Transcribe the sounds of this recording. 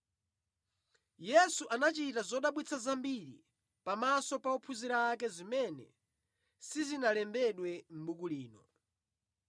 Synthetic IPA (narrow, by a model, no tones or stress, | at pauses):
jɛsuʔanat͡ʃitazɔɗaɓwit͡sʰazambiɾḭ | pamasɔpaɔpʰuziɾaːkɛzimɛnɛ̰ | sizinalɛmbɛɗwɛm̩ɓukuliːnɔ